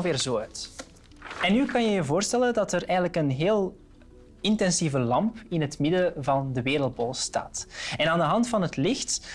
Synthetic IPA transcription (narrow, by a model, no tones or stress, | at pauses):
ʋeːrzoːœt | ɛnːykɑnjəjəvoːrstɛlədɑtərɛjɣənləkənɦeːlˠ | ɪntɛnsivəlɑmpɪnɦətmɪdəvɑndəʋeːɾəlˠt̚boːlˠsta̰ːtɛnaːndəɦɑntfɑnɦətlɪxt